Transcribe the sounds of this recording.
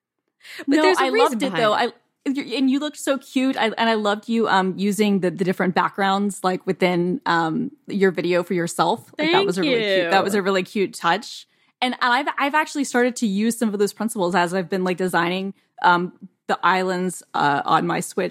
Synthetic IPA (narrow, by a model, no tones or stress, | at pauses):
oəaɪlʌvdɨtðoʊa̰ɪ | jəɨ̃njɨlʊk̚tsoʊkʰj̥ʉɾa̰ɪʔɨ̃ñaɪlʌvd͡ʒɨʔʌ̃mjʉzɪ̃ŋðɨðɨdɪfɹɨ̃nb̥æ̰k̚ɡ̥ɹãʊ̃ndz̥laɪkwɨθɪ̃nʔʌ̃mjə˞vɪɾioʊfə˞jə˞sɛlˠflaɪk̚ðət̚wʌzɨɪɪlˠiʉðət̚wʌzɨɹɪlˠikʰj̥ʉtʰʌt͡ʃ | ɨ̃nə̃naɪvaɪvæk̚t͡ʃʉl̩ˠistɑɹɾɨd̚tʰɨjʉz̥sʌ̃mʌvðoʊz̥pʰɹ̥ɪ̃nsəpl̩ˠzɨzaɪvbɨ̃nlaɪk̚d̥ɨzãɪ̃ñɪ̃ŋ | ʔʌ̃mðiʔaɪlˠə̃ndz̥ʌ̰ʔn̩maɪswɪ